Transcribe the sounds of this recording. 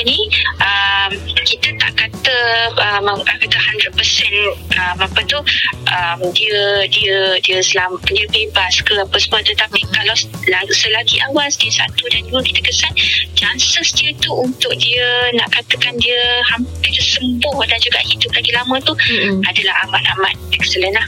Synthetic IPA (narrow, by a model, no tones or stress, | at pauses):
ənĩʔəmkit̪əna̰ʔkat̪əəmakat̪əhandɾət̪̚pəsɛnʔəmapət̪uʔəmdiədiədiəsəlamdiəbebaskəpəsəmuət̪ət̪apikalawlasəlaɡiʔawasdiəsat̪udanduəkit̪əkəsan̚d͡ʒansəsdiət̪uunt̪ʊk̚diənaʔkat̪əkandiəhamppɪrəsəmbʊhdand͡ʒuɡaʔhidʊp̚laɡilamə̃t̪uadalahamat̪ama̰t̪̚mɛksələnlah